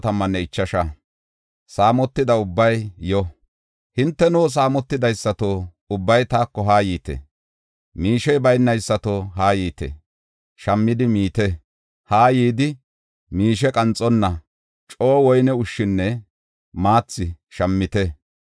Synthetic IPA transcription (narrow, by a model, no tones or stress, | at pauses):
t̪ɐmːɐnːɛɪt͡ʃːɐʃɐ | saːmɔt̪ːɪd̪ɐʊbːɐjjɔ | hɪnt̪ːɛnuːs̬aːmɔt̪ːɪd̪ɐjsːɐt̪oː | ʊbːɐjt̪aːkːɔɦaːjiːt̪ɛ̰ | miːʃɛjbɐjnːɐjsːɐt̪oɦaːjiːt̪ḛ | ʃɐmːɪd̪ɪmiːt̪ɛ | haːjiːd̪ɪ | miːʃ̬ɛkʼɐnt͡sʼːɔnːɐ | t͡ʃʼoːwɔjnɛʊʃːɪnːɛ | maːt͡sːɪ | ʃɐmːɪt̪ɛ